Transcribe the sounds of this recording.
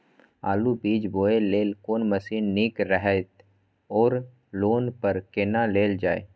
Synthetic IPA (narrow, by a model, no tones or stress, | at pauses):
a̰ːlubiːd͡ʒboːeleːlkoːnməsiːnːiːkɾəɦɛt̪ | ɔːɾ | loːnpəɾkenaleːld͡ʒaːḛː